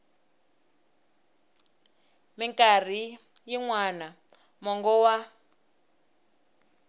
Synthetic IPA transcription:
mɛŋkʼar̤i | jiŋwana | mɔŋɡɔwa

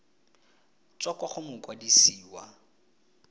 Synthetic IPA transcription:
t͡sʼɔkwaχʊmʊkʼwadisiːwa̰

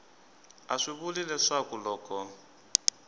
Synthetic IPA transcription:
aʂiβulilɛʂakulɔːkɔ

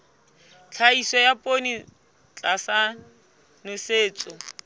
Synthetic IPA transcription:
t͡ɬʰaisɔjapʼoni | t͡ɬʼasa | nʊseːt͡sʼʊ

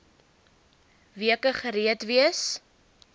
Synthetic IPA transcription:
viəkəχəɾiətviəs

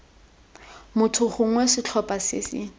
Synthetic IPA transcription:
mʊtʰʊχʊŋ̩wɛsɪt͡ɬʰɔpʼasɪ̰sɪ̰

